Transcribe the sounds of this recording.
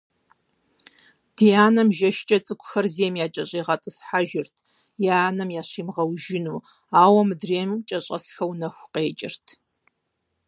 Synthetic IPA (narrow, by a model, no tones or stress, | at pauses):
d̥ijaːnɐmʒɐʃt͡ʃʼɐt͡sʼɨkʷʰʼʊxɐrzeːmjaːt͡ʃʼɐɕʼiːʁɐtʼɨsħaʒɪrtʰ | jaːnɐmjaːɕiːmʁɐwʒɪnuː | aːwɐmɨdreːmt͡ʃʼɐɕʼɐ̰sxɐwnɐxʷqeːt͡ʃʼɪ̰rtʰ